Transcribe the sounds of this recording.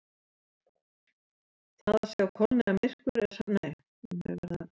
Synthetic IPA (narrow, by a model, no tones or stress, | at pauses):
θaðḁsɛawkʰɔlnɪnamɪr̥kvʏɾɛ̥sanaɪ | ɛnɛ̰vɛ̰ɾða